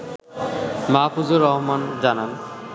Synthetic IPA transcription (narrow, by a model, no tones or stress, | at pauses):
mapud͡ʑoɾɔɦmand͡ʑanan